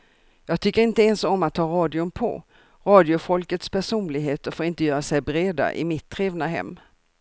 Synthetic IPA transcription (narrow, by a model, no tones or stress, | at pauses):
jɑːɡ̚t̪ʰʏkːəɾɪnt̪əɛnsɔmːat̪ʰːɑːɾɑːd̪ɪɵmpʰɔ̰ | ɾɑːd̪ɪʊfɔlkət̪spʰæʂuːnlɪɡɦeːt̪əɾfoːɾɪnt̪əjœːɾasɛjbɾeːd̪a̰ʔɪ̰mɪt̪ʰːɾeːvnaɦɛ̰mː